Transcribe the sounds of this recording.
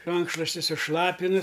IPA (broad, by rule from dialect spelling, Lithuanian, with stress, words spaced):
ˈrɐŋkʃlˠoːsʲtʲɪ sʊˈʃlˠɑːpʲɪnʊ